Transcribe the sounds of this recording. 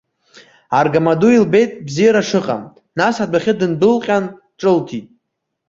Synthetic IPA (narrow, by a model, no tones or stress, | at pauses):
arɡamaduilbe̞jtʼbzijaɾaʂɨqʼa̰m | nasadaχʲɪdɨndɨlqʲʼan | ʈ͡ʂʼɨltʰitʼ